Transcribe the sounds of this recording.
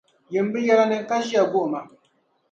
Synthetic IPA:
jɨ˨m̩˦bɨ˦jɛ˦la˦nɨ˦ŋ˦ka˦ʒi˦a˨ɡo˦ʔma˨

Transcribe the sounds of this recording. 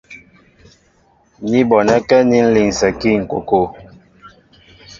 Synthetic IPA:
ni˦bɔ˨nɛ˦kɛ˦ni˦n̩˦li˨ŋ˨sɛ˨ki˦ŋ̩˨ko̰˨ko˦˨

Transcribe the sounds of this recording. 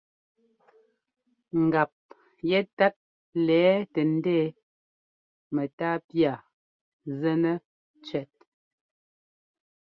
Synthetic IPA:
ŋ̩˨ɡa˨p̚ | jɛ˦ta˦t̚ | lɛː˨˦tɛ˨n̩˦deː˦˨˦ | mɛ˨taː˦pja˨ | zɛ˦nɛ˦ | t͡ʃɥɛ˨t̚

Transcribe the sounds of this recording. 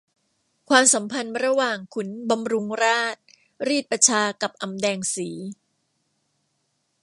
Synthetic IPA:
kʰwaː˧msa˩˦mpʰa˧nɾa˧waː˨˩ŋkʰu˩˦nba˧mɾu˧ŋɾaː˥˩t̪̚ | ɾiː˥˩t̪̚pa˧t͡ɕʰaː˧ka˨˩p̚ʔa˨˩mdɛː˧ŋsiː˩˦

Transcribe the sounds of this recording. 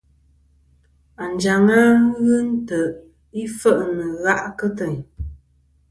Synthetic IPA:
a˨n˨d͡ʒa˨ŋa˦m˦ɣɨ˦n̩˦tə˨ | i˦fə˦ʔnə˨ɣa˦ʔkə˦tə˨ɲ

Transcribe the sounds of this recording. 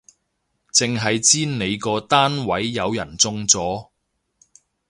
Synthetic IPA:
t͡sɪ˨ŋɦɐ˨jt͡siː˥nne˨˧jkɔː˧t̪aː˥nwɐ˨˥jːɐ˨˧wjɐ˨˩nt͡sʊ˧ŋt͡sɔː˨˥

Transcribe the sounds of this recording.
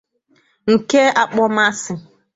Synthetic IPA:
ŋ̩˨ke˦a˦k͡pɔ˦ma˦sɪ˨

